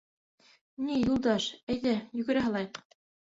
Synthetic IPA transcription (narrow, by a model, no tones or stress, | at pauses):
nijulˠd̪ɑʃæjðæjɵ̆ɡɘ̆ɾæɦɑlˠɑjq